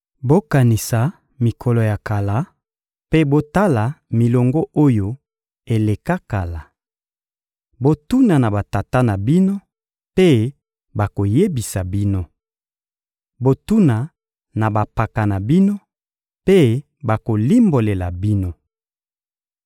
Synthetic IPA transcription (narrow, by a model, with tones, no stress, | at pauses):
bo˦ka˨ni˨sa˨ | mi˨kʰɔ˨lɔ˨ja˨ka˨la˨˦ | pe˦bo˦ta˦la˨mi˨lɔ˨ŋɡɔ˦ʔo˦jo˦ | e˨le˨ka˦ka˨la˨ | bo˦tu˦na˨na˨ba˨ta˨ta˦na˨bi˦no˦ | pe˦ | ba˨ko˨je˦bi˨sa˨bi˦no˦ | bo˦tu˦na˨ | na˨ba˨pa˨ka˨na˨bi˦no˦ | pe˦ | ba˨ko˨li˦mbo˨le˨la˨bi˦no˦